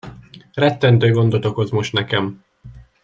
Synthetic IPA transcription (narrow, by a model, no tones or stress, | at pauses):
rɛt̪ːɛnt̪øːɡo̞nd̪ot̪okozmo̞ʃt̪nɛkɛm